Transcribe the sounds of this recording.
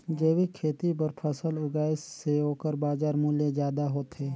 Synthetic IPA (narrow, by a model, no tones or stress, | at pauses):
d͡ʒeːwikʰeːt̪ip̬əɾpʰəsəlʊɡaːɪsseɦoːkəɾbaːzaːɾmʊljezjaːd̪aɦoːt̪ɦeː